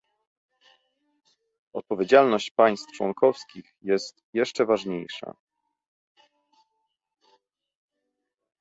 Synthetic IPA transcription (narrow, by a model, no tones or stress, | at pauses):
ɔt̪̚pɔvʲjed͡ʑalnɔɕt͡ɕpaj̃st̪ft͡ʂwɔ̰nkʰɔfskʲixjɛst̪jɛʂt͡ʂɛvaʐɲejʂa̰